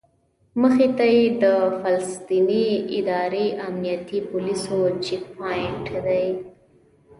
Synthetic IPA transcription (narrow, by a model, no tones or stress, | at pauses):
məxet̪ajed̪əfalst̪iniɪd̪ɑɾeʔamnijat̪ipʊlisot͡ʃikpajɪɳʈd̪aj